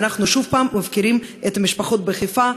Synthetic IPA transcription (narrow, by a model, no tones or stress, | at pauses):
naχnuʃuvpamːavkiɾimet̪amiʃpaχot̪̚beχifa